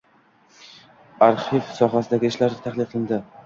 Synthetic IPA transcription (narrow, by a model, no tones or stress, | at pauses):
aɾχifsɒɦasɪd̪aɡʲɪɪʃlaɾnɪt̪ʰaχlˠɪqʰɨlˠɪnd̪ɪ